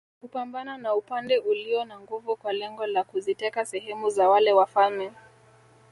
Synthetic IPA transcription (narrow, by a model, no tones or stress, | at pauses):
kupambananaupandɛʔuliɔnaŋɡuvukwalɛŋɡɔlakuzitɛkasɛɦɛmuzawalɛwafalmɛ